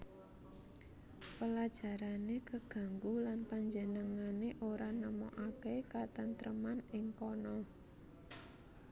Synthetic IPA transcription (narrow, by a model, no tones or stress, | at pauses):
pəlad̥ʒ̥a̤ɾanekəɡ̥ä̤ŋɡulanpaɲd͡ʒənəŋaneʔoɾanəmɔʔakekat̪ənt̪ɾəmanɪŋkɔnɔ